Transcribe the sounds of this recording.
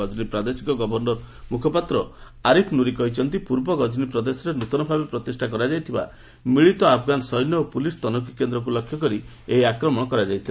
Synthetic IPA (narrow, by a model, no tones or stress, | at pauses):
ɔd͡ʒnipɾad̪esi̥kɔɡɔbɔɾnɔɾmukʰɔpat̪ɾɔ | aɾipʰnuɾikɔɦit͡ʃʰɔnt̪ipuɾbɔɡɔd͡ʒnipɾɔd̪esɔɾenut̪ɔnɔbʱabepɾɔt̪isʈʰakɔɾad͡ʒajt̪ʰiba̰ | miɭit̪ɔapʰɡanɔsɔjnjɔopulist̪ɔnɔk̬ikːend̪ɾɔk̬ulɔkʰːjɔkɔɾi | eɦiakɾɔmɔɽ̃ɔkɔɾad͡ʒajt̪ʰil